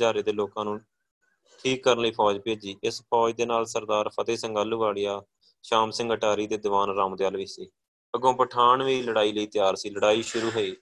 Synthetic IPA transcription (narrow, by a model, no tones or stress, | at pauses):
aːɾeːd̪eːloːkãːnũː | ʈʰiːkːəɾənləiːpʰɔːd͡ʒpeːd͡ʒiːʔɪspʰɔːd͡ʒd̪eːnaːlsəɾd̪aːɾpʰət̪eːsəŋɡaːlːuːʋaːɭijaː | ʃaːmsɪ̃ŋɡəʈaːɾiːd̪eːd̪ɪʋaːnɾaːmd̪eːaːlʋiːsiː | əɡõːpəʈʰaːɳʋiːləɽaːiːləiːt̪ɪjaːɾsiːləɽaːiːʃʊɾuːɦoeː